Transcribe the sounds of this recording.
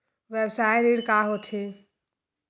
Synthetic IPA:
ʋebsaːjɾiːɽkaːɦot̪ʰe

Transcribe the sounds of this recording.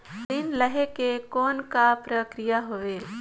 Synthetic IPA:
d̪ɪnləɦekekɔːnkapɾəkɾɪjaɦoʋeː

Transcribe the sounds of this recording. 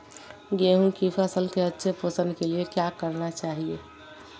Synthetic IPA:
ɡeɦũkifasəlkeətːʃʰepəsənd̪keliekjakəɾnat͡ʃaɦie

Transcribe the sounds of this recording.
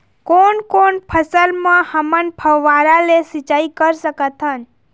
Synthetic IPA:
koɳkoɳpʰəsəlmãhəmənpʰəʋʋːaɾalesit͡ʃaikəɾsəkət̪ɦən

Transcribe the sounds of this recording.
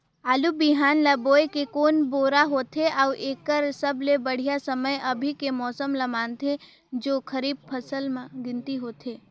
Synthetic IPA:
aːlubɪɦaːnlaboːjkekoːnboːɾaɦoːt̪ʰeʔauʔeːkəɾsəbʱlebəɽ̤ijasəməjɐbʱikemɔːsəmlamaːnt̪ʰe | d͡ʒoːkʰəɾiːb̚pʰɐsəlmãɡɪ̃nt̪iɦoːt̪ʰeː

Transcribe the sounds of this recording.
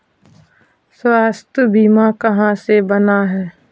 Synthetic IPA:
swaːst̪ʰəbiːmakəɦãsebənaɦɛː

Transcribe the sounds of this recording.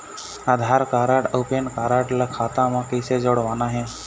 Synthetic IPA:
ad̪ʱaːɾkaːɾaʈopenkaːɾaʈlakʰaːt̪ãmãkised͡ʒoɽʋanaɦẽ

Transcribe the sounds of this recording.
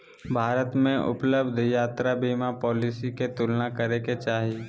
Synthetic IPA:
bʱaːɾət̪mẽʔʊ̰pləbd̪ʱjaːt̪ɾabiːmapɔːliːsiket̪ʊlnakəɾeket͡ʃaːɦi

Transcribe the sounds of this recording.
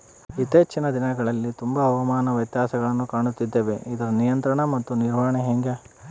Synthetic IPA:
it̪ːeːt͡ʃːinɐd̪inɐɡɐɭɐlːit̪umbɐɐʋɐmaːnɐʋjɐt̪jaːsɐɡɐɭɐnːukaːɳut̪ːid̪ːe̞ːʋe̞id̪ɐɾɐnijɐnt̪ɾɐɳɐmɐt̪ːuniɾʋaːɐɳeɦeŋɡe

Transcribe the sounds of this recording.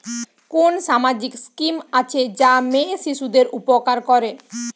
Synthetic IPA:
konʃamad͡ʑikskimat͡ɕʰed͡ʑameʃiʃud̪eɾupokaɾkɔɾe

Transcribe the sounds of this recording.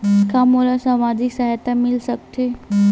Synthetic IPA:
skʰamolasamad͡ʑiksaɦjt̪amɪlsək̚t̪ʰe

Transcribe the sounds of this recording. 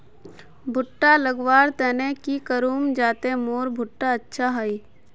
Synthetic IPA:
bʱʊʈːaləɡʋaːɾt̪ɛːnekikəɾuːmd͡ʒaːt̪emoːɾbʱʊʈːaətːʃʰaɦəiː

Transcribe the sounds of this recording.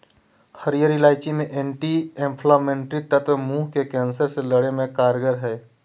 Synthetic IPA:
həɾijəɾilaːɪt͡ʃimẽʔeːɳʈiẽmpʰlaːmẽːɳʈɾit̪ət̪muːɦkekɛ̃ːnsəɾseləɽemẽkaːɾɡəɾɦɛː

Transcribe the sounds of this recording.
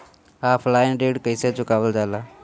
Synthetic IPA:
aːfʰlaːɪnɖeːɽkəiseːt͡ʃʰʊkaːʋəld͡ʒaːlaː

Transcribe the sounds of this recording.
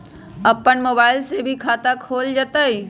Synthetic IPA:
ɐpənmoːbaːɪlsebʱikʰaːt̪akʰoːld͡ʒət̪əi

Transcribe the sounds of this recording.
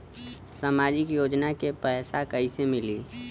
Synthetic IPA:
samaːd͡ʒɪkjoːd͡ʒnakepɛːsakəisemɪli

